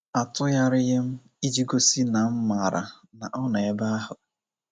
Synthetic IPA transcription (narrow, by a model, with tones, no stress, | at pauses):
a˨tʊ˦ja˦ɾɪ˦ɣɪ˦m̩˦ | i˦d͡ʒi˦ɡo˦si˦na˨m̩˦ma˨ɾa̰˨ | na˨ʔɔ˦na˨e˦ba˦a˦ɦʊ˨